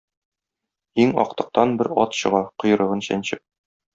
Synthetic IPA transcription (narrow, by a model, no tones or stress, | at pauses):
iŋɒ̰q̚t̪ɤ̆q̚t̪ɑnbɘɾɒ̰t̪ɕɤ̆ʁɑqŏjɤ̆ɾɤ̆ʁɤnɕæ̰nɕɘp̚